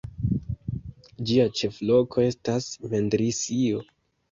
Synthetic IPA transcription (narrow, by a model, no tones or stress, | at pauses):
d͡ʒiat͡ʃe̞flo̞kʰo̞e̞stasme̞ndɾisio